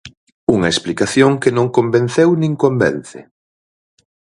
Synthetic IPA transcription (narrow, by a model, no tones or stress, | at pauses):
uŋɐesplikaθjoŋkenõŋkomben̟θewnĩŋkombɛnθɪ̰